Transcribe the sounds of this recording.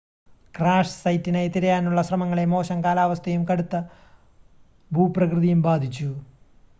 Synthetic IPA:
kraːʂsɐjtːinejt̪iɾɐjaːnuɭːɐɕrɐmɐŋːɐɭe̞mo̞ːɕɐŋkaːlaːʋɐst̪ʰɐjumkɐɽut̪ːɐ | bʱuːprɐkrɨðijumbaːd̪ʱit͡ɕːu

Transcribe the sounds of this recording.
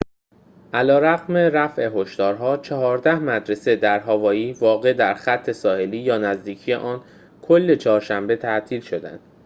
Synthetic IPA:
ʔælɒːɾæɣme̞ɾæfe̞ɦo̞ʃt̪ɒːɾɦɒːt͡ʃʰɒɦɒːɾd̪æhmæd̪ɾe̞se̞d̪æɾɦɒːvɒːjiːvɒːɣe̞d̪æɾxæt̪ʰːe̞sɒːhe̞liːjɒːnæzd̪iːcʰije̞̰ʔɒːn | kʰo̞lːe̞t͡ʃʰɒːɾʃæmbe̞t̪ʰæʔt̪ʰiːlʃo̞d̪æ̰nd̪̥

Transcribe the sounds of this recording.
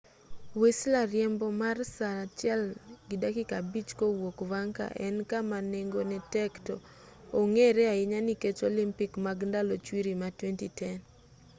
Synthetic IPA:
weslarjɛmbɔmarsaɾat͡ʃjɛlɡɪdakɪkabit͡ʃkowokvaŋka̰ʔɛ̰nkamaneŋɡonɛtɛkto̰ | oŋeɾɛaɪɲaniket͡ʃolimpikmaɡndalot͡ʃwiɾimatwɛntitɛn

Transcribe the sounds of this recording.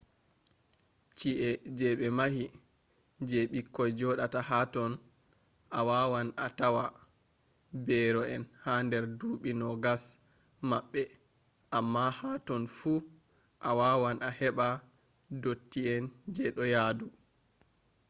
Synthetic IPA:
t͡ʃiʔɛd͡ʒɛɓɛmahi | d͡ʒɛɓikːɔjd͡ʒɔɗatahatɔn | ʔawawanatawa | bɛɾɔɛnhandɛɾduːɓinɔɡas | maɓːɛ | ʔamːahatɔnfu | ʔawawanahɛɓa | dotːiɛnd͡ʒɛɗɔjadu

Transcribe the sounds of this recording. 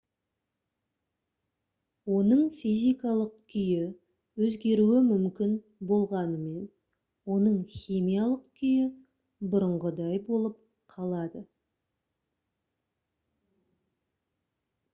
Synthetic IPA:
wo̞nəɴfijzʲijkɑlˠəq̚kʲʰʏjɪ | wɵzɡʲe̞ɾuwɪmʏmkʲɪn | bo̞lˠʁɑnəme̞n | wo̞nəɴχʲijmijalˠəqkʲʰʏjɪ | bʊɾəɴʁəd̪ɑjbo̞lˠəp̚ | qʰɑlˠɑd̪ə

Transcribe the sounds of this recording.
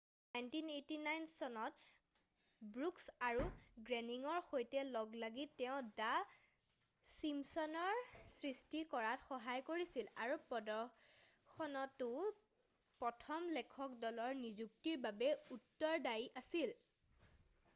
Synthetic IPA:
najntinetinajnsɔnɔt | bɹuksaɹuɡɹɛniŋɔɹxojtɛlɔɡlaɡitɛʊ̃da | simsɔnɔɹsɹistikɔɹatxɔɦajkoɹisilaɹupɔdɔ | xʰɔnɔtʊ | pɹɔtʰɔmlɛkʰɔkdɔlɔɹnizuk̚tiɹbabɛutːɔɹdajʔasil

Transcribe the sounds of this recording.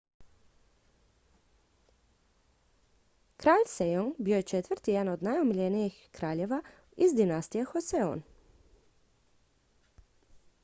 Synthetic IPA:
kɾaːʎsejoŋɡbijojet͡ʃet̪ʋɾ̩t̪ijɛd̪anod̪najumiʎenijixkɾaːʎeʋa | izd̪inast̪ijexoseo̰n

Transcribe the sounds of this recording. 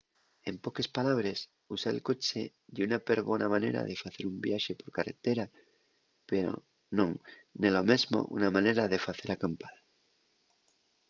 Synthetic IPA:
empo̞kespalaβ̞ɾes | usaḛlko̞t͡ʃe | d̪junapeɾβonamanḛɾa̰ðefaθeɾumbjaʃepo̞ɾkarḛt̪eɾa | peɾo̰ | nõŋnelomezmo̰ʔṵnamãneɾaðefaθe̞ɾakampal

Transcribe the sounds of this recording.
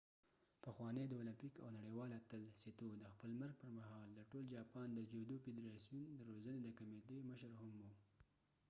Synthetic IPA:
pəxwɑned̪əʊlampika̰wnaɽewɑlat̪əlset̪od̪əxpəlməɾɡ̚pəɾmaɦɑld̪əʈold͡ʒɑpɑnd̪əd͡ʒod̪ofed̪ɾɑsijund̪əɾozəned̪əkamed̪əjməʃəɾhamu

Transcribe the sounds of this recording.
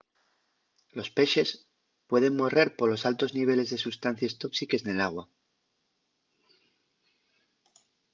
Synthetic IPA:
lo̞spe̞ʃe̞s | pwe̞ð̞e̞ŋmo̞re̞ɾpo̞ɾlo̞salt̪o̞zniβ̞e̞le̞zðesust̪an̟θjest̪o̞ksike̞sne̞laɣ̞wa

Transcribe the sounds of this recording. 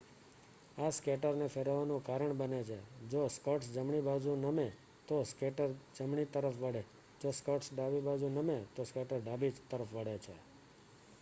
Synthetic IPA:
askeʈəɾnefeɾəʋanũkaɾəɳbənet͡ʃʰḛd͡ʒoskəʈsd͡ʒəmɳibad͡ʒũnəme | t̪oskeʈəɾd͡ʒəmɳit̪əɾəfʋəɽe | d͡ʒoskəʈsɖabibad͡ʒũnəmet̪oskeʈəɾɖabid͡ʒt̪əɾəfʋəɽet͡ʃʰḛ

